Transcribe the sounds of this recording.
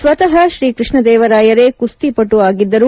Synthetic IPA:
sʋɐt̪ɐɦɐʃɾiːkɾɪʂɳɐd̪ɛːʋɐɾaːjɐɾekust̪ipɐʈːuaːɡid̪ːɐɾu

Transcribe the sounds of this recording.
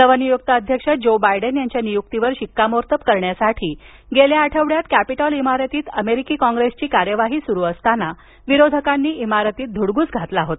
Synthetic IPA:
səʋənijuk̚t̪aəd̪ʱjəkʂət̪̚d͡ʑobajɖənjaɲt͡ɕjanijuk̚t̪iʋəɾɕikːamoɾt̪əpkəɾɳjasaʈʰiː | ɡeljaːʈʰəʋɽjat̪kæpiʈɔlimaɾət̪iːt̪əmeɾikiːkɔ̃ŋɡɾest͡ɕiːkaɾjəʋaɦiːsuɾuːəst̪ana | ʋiɾod̪ʱəkanːiːʔimaɾət̪iːt̪̚d̪ʱuɽɡuːt͡sɡʱat̪laɦot̪

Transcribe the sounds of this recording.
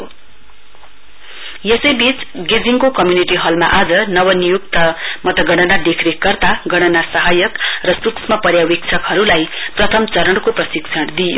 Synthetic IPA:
jesʌjbit͡sɡid͡ziŋkokʌmjuniʈiɦʌlma̰ʔad͡zʌnʌwʌnijukt̪ʌmʌt̪ʌɡʌɽ̃ʌnad̪ekʰɾekʌrt̪aɡʌɽ̃ʌnasʌɦajʌkrʌsuksmʌpʌɾjawek̚t͡sʰʌkɦʌɾulajprʌt̪ʰʌmt͡sʌɾʌɽkoprʌsiksʰʌɽd̪ijo̰

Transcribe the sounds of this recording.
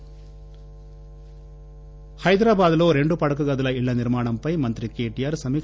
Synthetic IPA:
hɐjd̪ɾaːbaːd̪lo̞ːɾe̞ɳɖupɐɽɐkuɡɐd̪ulɐiɭːɐniɾmaːɳɐmpɐjmɐnt̪ɾikeːʈijaːɾsɐmiː

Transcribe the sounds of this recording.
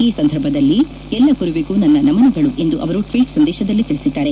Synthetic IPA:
iːsɐnd̪ʱɐɾbʱɐd̪ɐlːi | ɛlːɐkuɾuʋeːkuːnɐnːɐnɐmɐnɐɡɐɭuʔe̞nd̪uʔɐʋɐɾuʈɾiːʈsɐnd̪ɛːʃɐd̪ɐlːit̪iɭisid̪ːaːɾe

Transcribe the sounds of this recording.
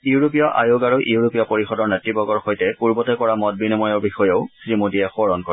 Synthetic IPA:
iuɹopijɔʔʔa̰joɡaɹuʔiuɹopiɔpoɹixɔdɔɹnɛtɹibɔɡɔɹxojtɛpuɹbɔtɛkɔɹamɔt̚binɔmɔjɔɹbixɔjeʊsɹimodijɛxɔɹɔnkɔɹ

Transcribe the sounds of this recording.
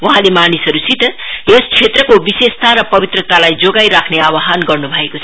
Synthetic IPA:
waɦãlemanisʌɾusit̪ʌjest͡sʰet̪rʌkobisest̪ʰaɾʌpʌbit̪rʌt̪alajd͡zoɡajɾakʰneawaɦanɡʌrnubʱʌekot͡sʰʌ

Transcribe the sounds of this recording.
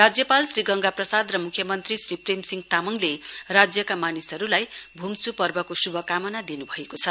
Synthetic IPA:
rad͡zjʌpalsriɡʌŋɡaprʌsad̪rʌmukʰjʌmʌnt̪risripremsiŋɡt̪amʌŋlerad͡zjʌkamanisʌɾulajbʱumt͡supʌrbʌkosubʱʌkamʌnad̪inubʱʌekot͡sʰʌ

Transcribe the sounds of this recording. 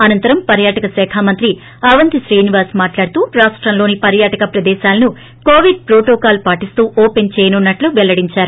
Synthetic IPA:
ɐnɐnt̪ɐɾɐmpɐɾjaːʈɐkɐsɛːkʰaːmɐnt̪ɾi | ɐʋɐnt̪iʃɾiːniʋaːsmaːʈlaːɽt̪uːɾaːʂʈɾɐmloːnipɐɾjaːʈɐkɐpɾɐd̪ɛːʃaːlɐnu | koːʋiɖ̚pɾoːʈoːkaːlpaːʈist̪uːʔoːpent͡ʃɛːjɐnunːɐʈluʋɛlːɐɽiɲt͡ʃaːɾu

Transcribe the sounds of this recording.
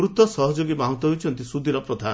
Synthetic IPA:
ɾut̪ɔsɔɦɔd͡ʒoɡibaɦũt̪ɔɦojt͡ʃʰɔnt̪isud̪ʱiɾɔpɾɔd̪ʱa

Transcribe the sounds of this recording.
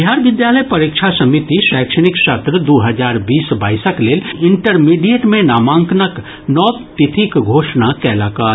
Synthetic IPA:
d̪ʱjɦaːɾʋɪd̪jaːləjpɐɾiːkʃʰasɐmɪt̪iʃɛːkʃəɽ̃ɪksɐt̪ɾəd̪oːɦɐzaːɾbiːsbaːɪsəkleːlɪ̃ɳʈəɾmiːɖijeʈmẽnaːmãːŋknək | nɔːtt̪ɪt̪ʰikɡʱoːʃnakɛːlaːkaːɾ

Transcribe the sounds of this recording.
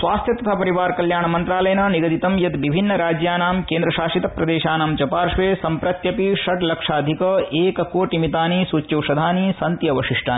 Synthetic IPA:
sʋaːst̪ʰjɐt̪ɐt̪ʰaːpɐɾiʋaːɾkɐljaːɳɐmɐnt̪ɾaːlɐjɐnɐniɡɐd̪it̪ɐmjɐt̪ʋibʱinːɐɾaːd͡ʒjaːnaːmkeːnd̪ɾɐʃaːʃit̪ɐpɾɐd̪eːʃaːnaːmd͡ʒɐpaːɾʂʋeːsɐmpɾɐt̪jɐpiʃɐʈlɐkʂaːd̪ʱikɐeːkɐkoːʈimit̪aːnisuːt͡ʃːɐʋʂɐd̪ʱaːnisɐnt̪jɐʋɐʃiʂʈaːi

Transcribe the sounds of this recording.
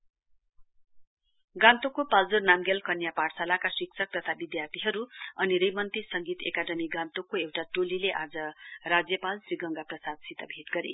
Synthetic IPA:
ɡãnt̪okːopald͡zurnamɡelkʌnjaparsalakasiksʰʌk̚t̪ʌt̪ʰabid̪jart̪ʰiɦʌɾuʌniɾʌjmʌnt̪isʌŋɡit̪ḛkaɖʌmiɡãnt̪okːoewʈaʈolileʔad͡zʌrad͡zjʌpalsriɡʌŋɡaprʌsad̪sit̪ʌbʱit̪ɡʌɾḭ

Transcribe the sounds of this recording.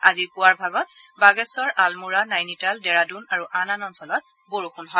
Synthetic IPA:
azipʊwaɹbʱaɡɔt̚baɡɛsɔɹʔalmuɹanajnitaldɛɹadunaɹuʔananɔnsɔlɔt̚ | boɹuxʰunɦɔ

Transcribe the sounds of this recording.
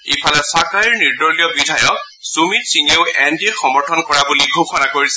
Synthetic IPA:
ipʰalɛsɔkaɹiɹniɹdɔɹlijɔbidʱajɔk̚ | sumitsiŋeʊɛndiɹxɔmɔɹtʰɔnkɔɹabuliɡʱoxɔnakoɹisɛ

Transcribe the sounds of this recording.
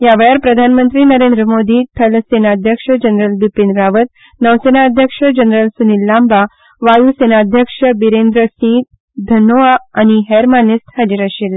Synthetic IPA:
jaʋeɭjaɾpɾəd̪ʱanmənt̪ɾiːnəɾend̪ɾəmod̪ʱiːʈʰəlsenaːd̪ʱjəkʂəd͡ʑənɾəlbipenɾaʋət̪̚ | nəʋsenaəd̪ʱjəkʂəd͡ʑənɾəlsunilːamba | ʋajusenaːd̪ʱjəkʂəbiɾend̪ɾəsĩt̪̚ | d̪ʱənoaːñiɦeɾmanist̪had͡ʑiɾaɕil

